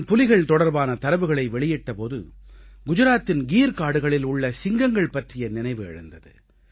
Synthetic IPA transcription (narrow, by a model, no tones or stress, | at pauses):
npʊlɪɣɐɭt̪ɔɽɐɾbaːnɐt̪ɐɾɐʋɯɣɐɭɐɪʋɛɭɪjɪʈːɐpoːðɯɡʊd͡ʒɯɾaːt̪ːɪnɡiːɾkaːɽɯɣɐɭɪlʊɭːɐsɪŋɡɐŋɡɐɭpɐʈrɪjɐnɪnɐɪʋɯɛ̰ɻɐ̰nd̪ɐðɯ̰